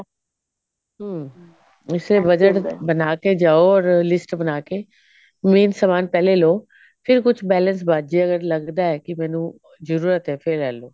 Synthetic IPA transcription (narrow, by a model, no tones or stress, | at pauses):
ɦ | ɪsebəd͡ʒəʈbənaːked͡ʒaːoɔːɾlɪsʈbənaːkeː | miːnsəmaːnpɛːleloː | pʰɪɾkʊt͡ʃʰbɛːləns̬baːd͡ʒeːəɡəɾləɡd̪aːɛːkɪmɛ̃ːnũː | zəɾuːɾət̪ɦɛːpʰɪɾːɛːloː